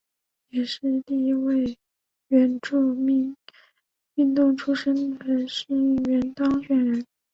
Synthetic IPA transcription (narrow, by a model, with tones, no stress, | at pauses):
jɛ˨˩ʂɻ̩˥˧li˥˧i˥we˥˩ɪ | ɥɛ˧˥nʈ͡ʂu˥˧˥ | y˥˧nt̪ʊ˥˩ŋʈ͡ʂʰu˥ʂə˥nd̪ə˨˩˧ʂɻ̩˥˩i˥˩ɥɛ˧˥nt̪ɑ˥ŋɕɥɛ˨˩nɻə˧˥n